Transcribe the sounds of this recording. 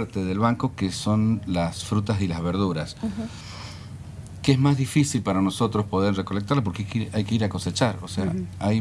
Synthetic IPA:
ɾt̪eðelβaŋko̞keso̞nlasfɾut̪asilazβeɾð̞uɾas | keezmazðifisilpaɾano̞so̞t̪ɾospo̞ð̞eɾre̞ko̞lek̚t̪aɾlapo̞ɾkeajkiajkeiɾako̞se̞t͡ʃaɾosea̰aj

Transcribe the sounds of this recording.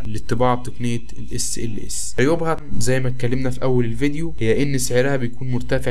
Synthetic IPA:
let̪ˤːebɑːʕb̚t̪oknejːæ | lʔesːʔelːʔḛsːjobhæt̪zæjːmæt̪̚kːælːemnæfiʔæwːælelved̪johejːæʔenːseʕeɾæhæbejkuːnmoɾˤt̪æfeʕ

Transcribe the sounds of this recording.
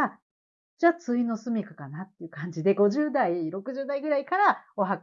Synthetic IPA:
d͡ʑaːt͡sɨino̞sɨmʲikakanat̪ːeɯ̟kãɲd͡ʑid̪e̞ɡo̞ʑɨːd̪aiɾo̞kɯ̟ʑɨːd̪aiɡɯ̟ɾaikaɾaoɦak

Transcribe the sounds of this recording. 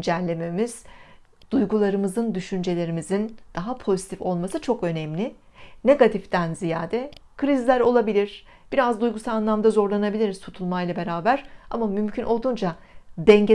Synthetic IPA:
d͡ʒæɾlʲe̞me̞miz̥ | d̪̥ujɡulˠaɾɯmɯzɯnd̪yʃynd͡ʒe̞lʲe̞ɾimizind̪̥aɦapʰo̞zit̪ʰifo̞lˠmasɯt͡ʃʰo̞kø̞nɛmlʲɪ | ne̞ɡat̪ʰift̪ʰænzijaːd̪ɛkʰɾizlʲæɾo̞lˠabilʲiɾ̥ | b̥iɾazd̪ujɡusaanlˠamd̪azo̞ɾlˠanabilʲiɾiz̥t̪ʰut̪ʰulˠmajlˠabe̞ɾaːbæɾ̥a̰mamymcʰynʔo̞lˠd̪uːnd͡ʒa | bɛɲɟe

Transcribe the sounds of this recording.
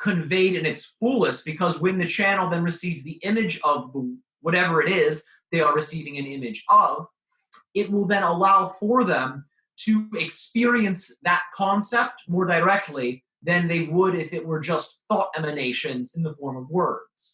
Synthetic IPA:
kʰɨ̃ɱveɪɾɨ̃nɨtsfulˠəst̚b̥ɨkʰʌzwɨ̃nðɨt͡ʃʰænl̩ˠðɨ̃nɹɨsivzðiʔɪ̃mɨd͡ʒʌvðə | wʌɾɛvə˞ɨɾɪz | ðeɪə˞ɹɨsivɪ̃ŋɨ̃nɪ̃mɨd͡ʒʌv | ɪt̚wɪlˠðɨ̃ñəlaʊfə˞ðɨ̃m | tʰɨɪkspɪɹiɨ̃nsðɨt̚kʰɑ̃nsɛp̚t̚mɔɹdə˞ɛk̚tʰˡli | ðɨ̃nðeɪwəɾɪfɨt̚wə˞d͡ʒʌst̚θɔɾɛmɨneɪʃɨ̃nzɨ̃n̩ðəfɔɹmʌvwɜ˞dz̥

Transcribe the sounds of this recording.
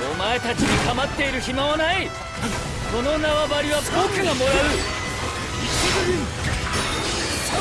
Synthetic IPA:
omaet̪at͡ɕiɲikamat̪ːe̞iɾɯ̟ɕimaβanai | ko̞no̞naβabaɾʲiβakoːkɯɡamo̞ɾaɯ

